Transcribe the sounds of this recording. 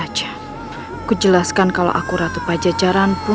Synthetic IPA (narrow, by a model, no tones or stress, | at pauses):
d͡ʒa | kud͡ʒəlaskankala̰ʔa̰kuɾat̪upad͡ʒad͡ʒaɾanpu